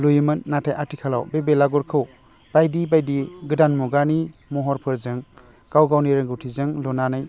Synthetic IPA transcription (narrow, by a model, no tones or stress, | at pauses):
lujmɯnːatʰajʔatʰikʰalawbebelaɡɔɾkʰɯw | b̥ajdibajdiɡɯdanmuɡanimɔɦɔɾpʰɯɾzɯŋ | ɡ̥awɡawniɾɯŋɡuwtʰizɯŋlɔnanaj